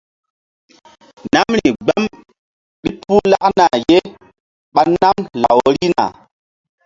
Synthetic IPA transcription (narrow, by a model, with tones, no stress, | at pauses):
na˦mɾi˨ɡ͡ba˦m | ɓi˦pu˦la˦ʔna˨je˦ | ɓa˨na˦mla˨wɾi˦na̰˨